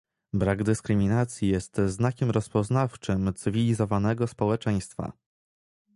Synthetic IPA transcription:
bɾaɡd̪ɘskɾɘmʲinat̪sʲjijɛst̪znakʲɛmɾɔspɔznaft͡ʂɘmt̪sɘvʲilʲizɔvanɛɡɔspɔwɛt͡ʂɛj̃st̪fa̰

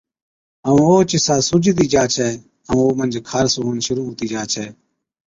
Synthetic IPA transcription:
əũːoːt͡ʃɪsaːsʊd͡ʒd̪iːd͡ʒaːt͡ʃʰɛː | ə̃ːoːmənd͡ʒkʰaːɾsoːɦənʃʊɾuːɦuːt̪iːd͡ʒaːt͡ʃʰɛː

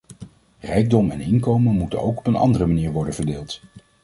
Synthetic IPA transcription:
rɛjɡ̚dɔmɛnɪnkowmənmutə̰nowkɔ̥pənɑ̰ndərəmaniːɹʋɔɹdənvəɹdeːlˠt

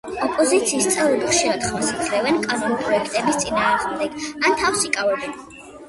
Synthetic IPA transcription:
ɔpʼɔzit̪sʰiːst̪sʼɛvlɛbiχʃiɾad̪χmɔsat̪ʰɾɛvɛnkʼanulipʼɾɔɛkʰt̪ʼɛbist̪sʼinaːʁmd̪ɛɡ̥ant̪ʰafsikʼavɛbɛn

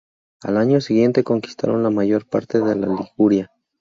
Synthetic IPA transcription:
a̰laɲo̞siɣje̞nt̪e̞ko̞ŋki̥st̪a̰ɾo̞̰nlamaʝo̞ɾpa̰ɾt̪e̞ðe̞lalixuɾja

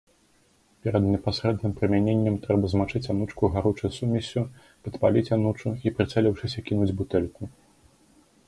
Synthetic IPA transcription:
pʲɛɾɐd̪nʲɛpasɾɛd̪nɨmpɾɨmʲanʲenʲːɛmt̪ɾɛbɐzmat͡ʂɨt͡sʲanut͡ʂkuɣaɾut͡ʂɨsumʲɐsʲu | pɐt̪palʲit͡sʲanut͡ʂuipɾɨt̪sɛlʲiwʂɨsʲɐkʲinud͡zʲbut̪ɛlʲku

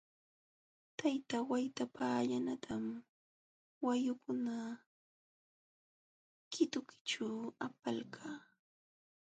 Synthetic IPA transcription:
t̪ajt̪awajt̪apʰaːʎanat̪ʰam | wajʊkʊna | kɪt̪ʊkɪ̥ʈ͡ʂaapalkʰaː

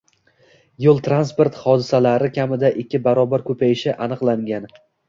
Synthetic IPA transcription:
jolˠt̪ʰɾanspo̞ɾt̪hɒd̪ɪsalaɾɪkʲʰamɪd̪aʔɪkʲːɪbaɾɒbaɾkʰɵpʰajɪʃɪʔanɨqlˠaŋɡʲan

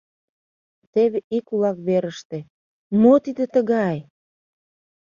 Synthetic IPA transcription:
t̪eβeʔikulɑkβeɾəʃt̪e | mot̪id̪ĕt̪əɣɑj

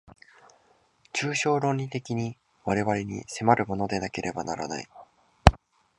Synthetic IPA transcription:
t͡ɕɨːɕo̞ːɾõ̞ɲʲːit̪e̞kʲiɲ̟i | βaɾe̞βaɾe̞ɲ̟ḭse̞maɾɯ̟mo̞no̞d̪e̞nake̞ɾʔe̞banaɾa̰na̰i

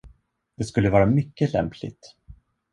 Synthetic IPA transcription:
d̪̥ɛskɵlːəvɑːɾamʏkːəlɛ̰mpʰlɪ̰t̪

